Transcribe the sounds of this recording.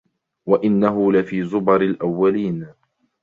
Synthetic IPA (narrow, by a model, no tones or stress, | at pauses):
waʔɪnːaɦʊlɪfiːzʊbɑɾɪlʔawːaliːn